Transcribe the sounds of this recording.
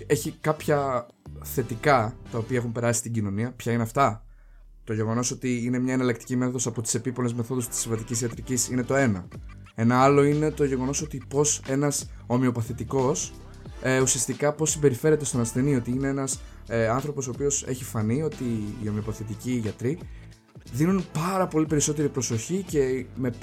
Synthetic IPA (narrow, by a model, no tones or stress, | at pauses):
e̞çikɐpçɐ | θe̞t̪ikɐt̪ɐopiɐexumpe̞ɾɐsi̥st̪iɲɟino̞niɐpçɐineɐft̪ɐ | t̪o̞ʝe̞ɣo̞no̞sot̪iine̞mɲɐenɐlɐk̚t̪i̥cimeθoðo̞sɐpo̞t̪i̥se̞pipo̞le̞zmeθo̞ðust̪i̥sivɐt̪icisiɐt̪ɾicisine̞t̪o̞e̞nɐ | e̞nɐɐlo̞ine̞t̪o̞ʝe̞ɣo̞no̞so̞t̪ipo̞se̞nɐs | o̞mio̞pɐθit̪iko̞s | eusiɐst̪ikɐpo̞sːimbe̞ɾife̞ɾe̞t̪e̞st̪o̞nɐst̪e̞nio̞t̪iine̞enɐs | ɐnθɾo̞po̞so̞ːpio̞se̞çifɐnio̞t̪iːo̞mio̞pɐθit̪iciʝɐt̪ɾi | ðinunpɐɾɐpo̞lipe̞ɾiso̞t̪e̞ɾipɾo̞so̞çice̞me̞